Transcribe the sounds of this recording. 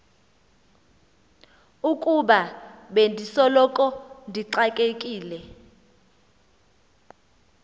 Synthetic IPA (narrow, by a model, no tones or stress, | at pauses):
ukʼuɓaɓendʱisɔlɔkʼɔndʱiǀakʼekʼiːlɛ